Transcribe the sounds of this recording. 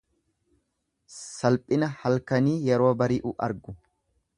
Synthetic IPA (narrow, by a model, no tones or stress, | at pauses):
sɐlpʼɪnɐhɐlkɐniːjɛɾo̞ːbɐɾiːʔuʔɐ̰ɾɡʊ